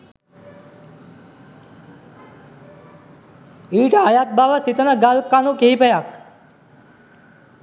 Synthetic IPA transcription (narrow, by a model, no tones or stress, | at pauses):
iːʈəajat̪̚baʋəsit̪ənəɡalkanũkeɦipəjak